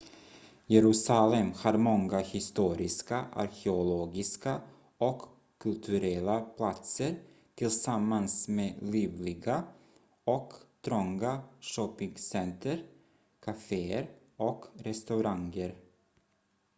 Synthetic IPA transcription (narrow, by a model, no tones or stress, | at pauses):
jɛɾʉ̟ːsalɛmhɑːɾmɔŋɡahɪst̪uːɾɪskaʔa̰ɾkʰɛʊloːɡɪska | ɔkʰː | ɵlt̪ʰɵɾɛlːapʰlat̪səɾ | t̪ʰɪlsamːansmeːliːvlɪɡa | ɔkt̪ʰɾɔŋɡaʂɔpɪŋsɛnt̪ʰəɾ | kʰafeːəɾ | ɔkɾɛst̪aɾaŋəɾ